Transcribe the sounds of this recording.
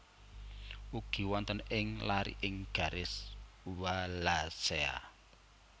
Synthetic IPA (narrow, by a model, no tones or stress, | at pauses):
uɡ̥i̤wɔnt̪ənɪŋlaɾḭʔɪŋɡ̥a̤ɾɪsuwalasea̰